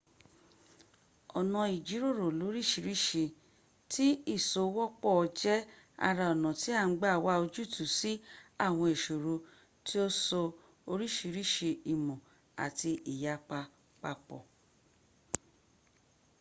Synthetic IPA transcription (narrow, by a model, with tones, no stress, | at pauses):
ɔ˨nɔ̃˨˧i˨d͡ʒi˨˦ɾo˦˨ɾo˨lo˨˦ɾi˦˨ʃi˧ɾi˦˨ʃe˧ | tʰi˦i˦˨so˧˦˧wɔ˦k͡pɔ˦˧d͡ʒɛ˦ | a̰˧ɾa˧ɔ˨nɔ̃˨ti˨˦a˦˨n̩˦ɡ͡ba˦˨wa˦o˧d͡ʒu˦˨tu˨si˨˦a˦˨w̃ɔ̃˧e˨ʃo˨ɾo˧ | ti˦o˦sɔ˧ | o˧ɾi˦˨ʃi˧ɾi˦ʃe˧i˨mɔ̃˨ | a̰˨ti˧ʔi˨ja˨˦k͡pa˧ | k͡pa˧k͡pɔ̰˨